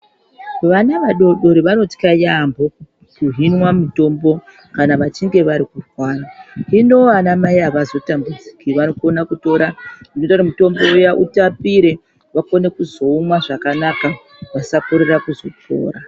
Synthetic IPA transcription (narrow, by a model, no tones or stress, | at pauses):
ʋanaʋaɗo̞ɗo̞ɾiʋano̞ti̥kajambʱo̞ | kuɦinwamuto̞mbo̞ | kanaʋat͡ʃiŋɡe̞ʋaɾikufwaːrainoanamaiɦaʋazo̞tambud͡zi̥kiʋanokonakuto̞ːɾandinotatamito̞mbo̞jaʔṵtapiɾe̞ | ʋakone̞kuzo̞umwaʐakanaka | ʋasakuɾerakuzo̞to̰ːɾa